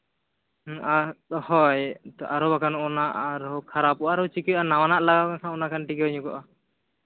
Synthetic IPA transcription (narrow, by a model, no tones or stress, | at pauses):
ahɔjt̪ʔaɾɔbakanɔnaʔaɾɔkʰaɾapɔʔaɾɔwt͡ʃikijʔanawanaʔlaɡakakʰanɔnakanʈikɛɦɔɲukɔʔa